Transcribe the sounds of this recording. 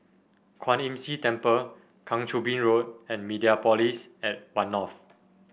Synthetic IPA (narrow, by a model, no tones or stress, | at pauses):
kʰwãnɛ̃msitɛ̃mpə | kʰãŋtʰubĩnɹot̚ɛ̃nmidiapɔlisɛt̚wãnɔf